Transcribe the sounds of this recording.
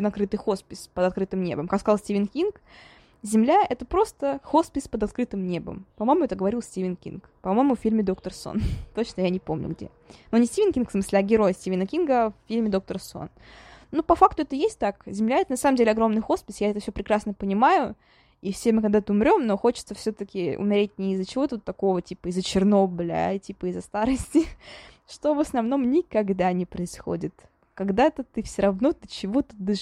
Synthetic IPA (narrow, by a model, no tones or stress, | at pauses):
nɐkɾɨt̪ɨjxo̞spʲɪspəd̪ɐt̪̚kɾɨt̪ɨmnʲe̞̰bəmkakskɐzalˠsʲtʲivʲɪnkʲink | zʲɪmlʲaɛt̪əpɾo̞st̪əxo̞spʲɪspəd̪ɐt̪kɾɨt̪ɨmnʲe̞bə̰mpɐmojmʊjɛt̪əɡəvɐɾilˠsʲtʲivʲɪnkʲḭnkpɐmo̞jɪmʊffʲilʲmʲɪd̪o̞kt̪ərso̰nt̪ot͡ɕnəjanʲɪpo̞̰mnʲʊ̰ɡdʲḛ | nonʲɪsʲtʲivʲɪnkʲinkfsmɨsʲlʲɪɐɡʲɪɾo̞jsʲtʲivʲɪnəkʲinɡəaffʲilʲmʲɪd̪o̞k̚t̪əɾso̰nnːupɐfakt̪ʊɛt̪əjesʲt̚ʲt̪akzʲɪmlʲaɛt̪ənɐsaməmdʲelʲɪɐɡɾo̞mnɨjxo̞spʲɪsʲjaɛt̪əfsʲɵpɾʲɪkɾasnəpənʲɪmajʊ | ifsʲemɨkɐɡ̚d̪at̪əʊmɾʲo̞mno̞xo̞t͡ɕɪ̥t̪səfsʲot̪əkʲɪʊ̰mʲɪɾʲet̚ʲnʲɪːzːət͡ɕɪvo̞t̪əvot̪ːɐko̞vətʲipəɪzət͡ɕɪrnoblʲə̰tʲipəɪzːɐst̪aɾɨsʲtʲɪ | ʂt̪o̞vəsnɐvno̞mnʲɪkɐɡd̪anʲɪpɾəɪsxo̰dʲɪt̪ | kɐɡd̪at̪ət̪ɨfsʲoɾɐvno̞t̪ɨt͡ɕɪvot̪ɨ̥d̪ɨ